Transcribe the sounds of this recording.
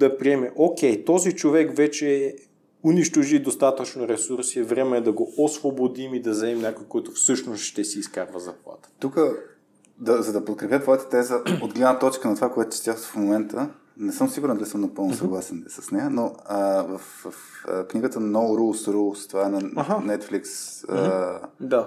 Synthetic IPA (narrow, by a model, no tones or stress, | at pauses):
d̪ɐpɾiɛmɛʔok̟ɛjt̪ɔzit͡ʃovɛkvɛt͡ʃɛ | ʊniʃt̪oʒid̪ost̪at̪ət͡ʃnoɾɛsuɾsiɛvɾɛmɛːd̪ɐɡoosvobod̪imid̪ɐzɐɛmnʲakojkɔɛt̪ʊfsɤʃnost̪ʃt̪ɛsiːskaɾvəzɐplˠa̰t̪ə̥t̪ukə | d̪ɐzɐd̪ɐpot̪̚kɾɛpʲjət̪vɔjət̪ə̥t̪ɛzəod̪ɡlɛd̪nət̪ɔt͡ʃkənɐt̪ovakoɛt̪ʊ̥t͡ʃɛ̥t̪jaxt̪ofmomɛnt̪ʰə | nɛsɤmsiɡuɾɛnd̪lisəmnɐpɤlˠnʊsɐɡlˠasɛnsə̥snɛjənoəvəffkniɡət̪ənɔvɾulˠsɾulˠst̪ovaɛnɐaɦanɛt̪fliksəd̪a